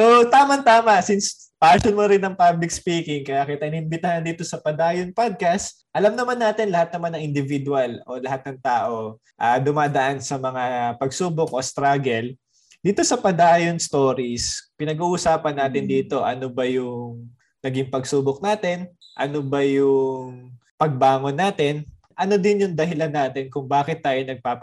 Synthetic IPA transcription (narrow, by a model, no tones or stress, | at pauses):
sot̪aːmɐŋt̪aːmɐsɪns | paːʃonmoɾɪnːɐŋpablɪk̚spiːkɪŋkɐjakɐit̪ɐʔɪnɪmbɪt̪ahand̪iːt̪o̞sɐpɐd̪aːjonpad̪̚kɐst̪ | ʔɐlɐmnɐmanːaːt̪ɪnlɐhat̪̚nɐmanːɐŋʔɪnd̪ɪvɪd̪ʊalo̞lɐhat̪̚nɐŋt̪aːʔo̞ | ʔad̪ʊmaːd̪ɐʔansɐmɐŋapɐɡsuːbok̚ʔo̞st̪ɾaɡɛl | d̪̥iːt̪o̞sɐpɐd̪aːjonst̪o̞ːɾispɪnɐɡuːʔusaːpɐnːaːt̪ɪnd̪iːt̪o̞ʔɐnobɐjʊŋ | nɐɡɪŋpɐɡsuːbok̚naːt̪ɛn | ʔɐnobɐjʊŋŋ | pɐɡ̚baːŋo̞nːaːt̪ɛn | ʔɐno̞d̪ɪnjʊŋd̪ɐɦɪlanːaːt̪ɪnkʊŋbaːkɪt̪ːaːjonɐɡ̚paːp